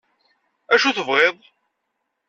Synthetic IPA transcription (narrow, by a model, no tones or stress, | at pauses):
æʃuθəvʁeðˤ